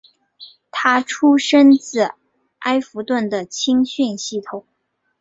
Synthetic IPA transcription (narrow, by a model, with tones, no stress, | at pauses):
t̪ʰa˥ʈ͡ʂʰu˥ʂə˥nt͡sɹ̩˥˩ | a˥ɪfu˧˥t̪wə˥˩nd̪ə˩t͡ɕʰi˥ŋɕy˥˧nɕi˥˩t̪ʰʊ˨˩˦ŋ